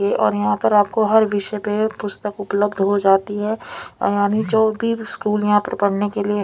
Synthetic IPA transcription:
eʔɔ̰ːɾjɐɦãpɐɾaːp̚koɦɐɾʋɪʃpepʊst̪əkʊpləbd̪ʱɦod͡ʒaːt̪iɦɛːjaːnid͡ʒoːbʱiskuːljɐɦãpɐɾpɐɽ̤nekelie

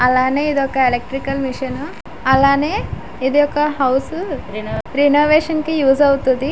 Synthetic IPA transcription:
ɐlaːne̞ːid̪iɔkɐelek̚ʈɾikɐlmiʂɐnu | ɐlaːneː | id̪iɔkːɐɦɐwsu | ɾinoːʋeːʂɐnkijuːsɐwut̪und̪i

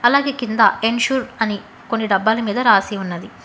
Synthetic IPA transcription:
ɐlaːɡe̞ːkind̪ɐ̰eɳʃuːɾɐni | ko̞nːiɖɐbːaːlɐmiːd̪ɐɾaːsiunːɐd̪i

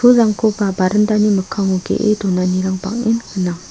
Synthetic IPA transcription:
ulaŋkʰopabaɾənd̪aɲiməkʰaŋoɡḛʔḛt̪onaɲiɾaŋpa̰ŋjənhənaŋ

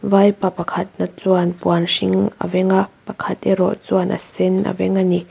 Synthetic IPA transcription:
vajpapɐkʰɐt̪̚nat͡suanpuanʂiŋɐ̰vɛŋapɐkʰɐt̪̚ɛɾɔʔt͡suanʔɐ̰sɛnɐ̰vɛŋani

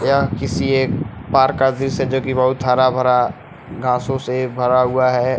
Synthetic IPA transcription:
jakɪsieːpaːɾkad̪ised͡ʒoːkibɐɦʊt̪̚t̪ʰaːɾabʱəɾa | ɡʱãːsõsebʱɐɾaɦʊaɦɛː

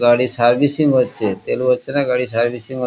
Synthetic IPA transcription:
ɡaɽiːsaɾbisiŋɡot̪t͡ɕet̪elʋət̪t͡ɕenaɡaɽiːsaɾbisiŋɡo

